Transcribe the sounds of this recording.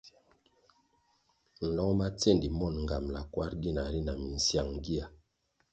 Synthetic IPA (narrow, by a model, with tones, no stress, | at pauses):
n̩˨lɔ˦ŋma˦t͡se˦˨ndi˨mɔ˦˨nŋ˨ɡa˨mla˨kwa˦ɾɡi˦na˨ɾi˦na˨mi˨n̩˨sja˦˨ŋɡi˦a˨